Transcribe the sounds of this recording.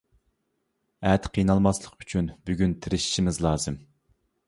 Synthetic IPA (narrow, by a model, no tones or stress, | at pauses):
ɛt̪qʰijnɑlˠmɑslˠəqyt͡ʃʰynbyɡʲynt̪ʰɪɾɪʃi̥ʃimɪzlˠɑːzɨm